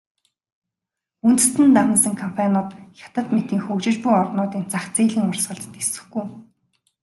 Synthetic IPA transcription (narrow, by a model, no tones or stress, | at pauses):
unt̪ɘ̆sɘ̆nt̪amə̆nsə̆ŋkʰɔm̥pʰanɔt̪xʲḁt̪ə̆t̪met̪iːŋxɵkt͡ɕɪ̆t͡ɕpujɔrnʊːt̪iːnt͡saχt͡seːɮĭːŋʊrsɢə̆ɮt̪ə̥̆t̪esɘ̥̆xɡuj